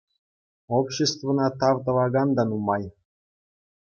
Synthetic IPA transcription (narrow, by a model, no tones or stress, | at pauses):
opɕest̪vɤ̆nɑt̪ɑvt̪ɤvɑɡɑnd̪ɑnumɑj